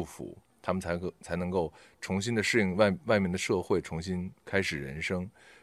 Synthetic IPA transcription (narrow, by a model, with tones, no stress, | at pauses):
u˥˩fṵ˧˥ | t̪ʰa˥mə˨nʰ˧˥˧t͡sʰa˧˥ɪnɤ˧˥ŋko˥˩ʊ | ʈ͡ʂʰʊ˧˥ŋɕi˥nd̪ə˧ʂɻ̩˥˧i˥˧ŋwwa˥˧ɪmjɛ˥˩nd̪ə˩ʂɤ˥˧xwe˥˩ɪʈ͡ʂʰʊ˧˥ŋɕi˥nkʰa˥ɪʂɻ̩˨˩ɻə̰˧˥nʂɤ˥ŋ